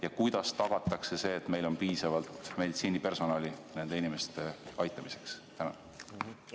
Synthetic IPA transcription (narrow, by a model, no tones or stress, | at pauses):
jɑkujd̪̥ɑst̪ɑɡ̥ɑt̪ːˑɑkse̞se̞ːt̪me̞jlo̞npiːsɑvɑlt̪me̞d̪it̪siːnipe̞rso̞nɑːline̞nd̪e̞inime̞st̪e̞ɑjt̪ːˑɑmise̞kst̪æno